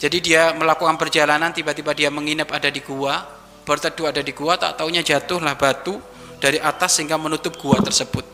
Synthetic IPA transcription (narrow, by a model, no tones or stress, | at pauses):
d͡ʒadidiaməlakukanpərd͡ʒalanant̪ibat̪ibadiaməŋinapadadiɡua | b̥ərt̪əduadadiɡuat̪a̰ʔt̪auɲad͡ʒat̪ʊhlahbat̪u | d̥aɾiʔat̪asːəɦiŋɡamənut̪ʊp̚ɡ̥uat̪ərsəbʊt̪̚